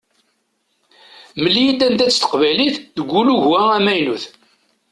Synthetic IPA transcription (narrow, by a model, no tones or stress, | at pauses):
məlːijid̪ænd̪æt͡sːt̪ə̥qvæjliθðəɡʷːuluʝwææmæjnuθ